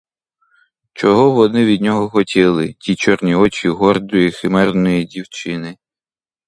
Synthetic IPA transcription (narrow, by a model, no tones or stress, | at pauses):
t͡ʃɔɦɔʋɔnɪʋʲid̪ʲnʲɔɦɔxɔtʲilˠɪtʲit͡ʃɔrnʲiɔt͡ʃiɦɔrd̪ɔjixɪmɛrnɔjidʲiwt͡ʃɪnɪ